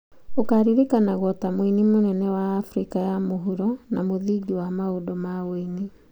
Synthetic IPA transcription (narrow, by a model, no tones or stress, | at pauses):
okaɾiɾikanaɣwɔtamwinimonɛnɛwaːfɾikajamoɦuɾɔnamoðiɡiwamaodɔmaweni